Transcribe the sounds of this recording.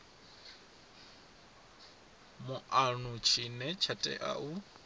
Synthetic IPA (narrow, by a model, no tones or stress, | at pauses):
mʊʔanut͡ʃʰinɛt͡ʃʰatʼɛ̰ʔa̰ʔu